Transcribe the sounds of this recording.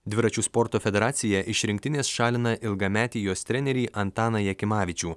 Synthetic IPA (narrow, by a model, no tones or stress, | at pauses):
d̪ʲʋʲɪɾɐt͡ʃʲuːspɔɾt̪oːfʲɛd̪ʲɛɾɑːt̪sʲɪjɛʔɪʃɾʲɪŋʲk̚ʲt̪ʲɪnʲeːsʃɑːlʲɪnɐʔɪlˠɡɐmʲæːt̪ʲiːjoːst̪ʲɾʲɛnʲɛɾʲiːʔɐnt̪ɑːnɐjɛkʲɪmɑːʋʲɪt͡ʃʲuː